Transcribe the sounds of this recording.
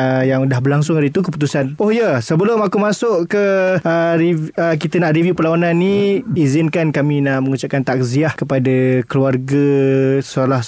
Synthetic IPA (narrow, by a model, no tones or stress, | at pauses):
əjaŋudahbəlaŋsʊŋaɾəit̪ukəpu̥t̪̬usanohjəsəbəlʊmakumasʊʔkəəɾiək̬it̪ənaʔrivjupəlawananːiizɪnkankamĩnaʔməŋut͡ʃap̚kant̪ak̚ziahkəpadakəluarɡasalah